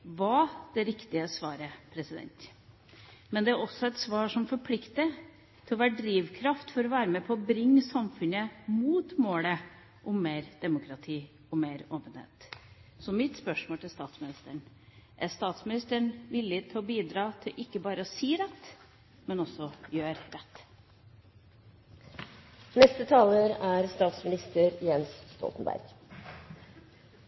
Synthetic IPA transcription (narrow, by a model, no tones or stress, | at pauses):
ʋɑd̪̥ɛɾɪkt̪ɪəsʋɑːɾəpʰɾɛsɪd̪ɛ̰nt̪ | mɛnd̪ɛæɾɔsːɔɛt̪sʋɑːʂɔmfɔɾpʰlɪkt̪ə | t̪ʰɪlɔʋæːɾəɖɾiːʋkʰɾɑft̪fɔɾɔʋæːɾəmɛpʰɔːɔbɾɪŋːsɑmfʉnəmuːt̪moːlə | ʔʊmːeːɾd̪̥ɛmʊkʰɾɑt̪ʰiː | ɔmeːɾoːpənhḛːt̪sɔmɪt̪spœʂmoːlt̪ɪlst̪ɑːt̪smɪnɪst̪əɳ | ʔæst̪ɑːt̪smɪnɪst̪əɳʋɪlːɪt̪ʰɪlɔbiːd̪ɾɑːt̪ʰɪlʔɪkːəbɑːɾəɔsiːɾɛt̪ː | mɛnɔsɔjøːɾɾɛt̪ː | nɛst̪ət̪ʰɑːləɾæɾst̪ɑːt̪smɪnɪst̪əɾjɛnsst̪ɔ̰lt̪ən̩bæ̰ɾɡ̥